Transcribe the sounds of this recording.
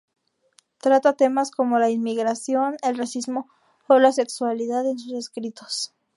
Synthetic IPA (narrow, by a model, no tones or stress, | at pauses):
t̪ɾat̪at̪e̞masko̞mo̞lainmiɣɾasjo̞ne̞lrasizmo̞ː | lase̞kswaliðaðensuse̞skɾit̪o̥s